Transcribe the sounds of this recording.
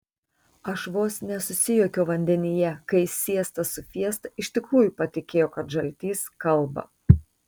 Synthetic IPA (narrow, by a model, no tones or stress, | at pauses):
ɐʃʋoːsnʲɛsʊsʲɪjoːkʲoːʋɐnʲd̪ʲɛnʲɪjɛkɐɪsʲiɛst̪ɐsʊfʲiɛst̪ɐɪʃt̪ʲɪkɾuːjʊpɐt̪ʲɪkʲeːjoːkɐt̪ʒɐlʲt̪ʲiːskɐlˠˑbɐ̰